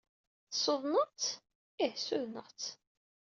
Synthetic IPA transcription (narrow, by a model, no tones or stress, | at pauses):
θsoðˤnəʁt͡s | ɪhsuðnəʁt͡sː